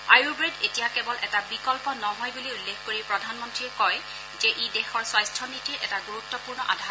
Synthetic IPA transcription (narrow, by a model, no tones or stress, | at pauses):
ajubɹedetijakɛbɔlʔɛtabikɔlpɔnɔɦɔjbuliulːexkoɹipɹɔdʱanmɔntɹiɛkɔj | zɛʔidɛxɔɹswajstʰɔnitiɹʔɛtaɡuɹut̪ːɔpuɹnɔʔa̰dʱa